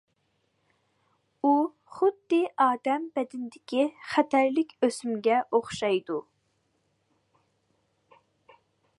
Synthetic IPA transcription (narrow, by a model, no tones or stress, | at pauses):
u | χʊd̪ːɪʔɑːd̪ɛmbɛd̪ɪnd̪ɪkʲʰiχɛt̪ʰæɾlɪkʲøsymɡʲɛʔoχʃɑjd̪u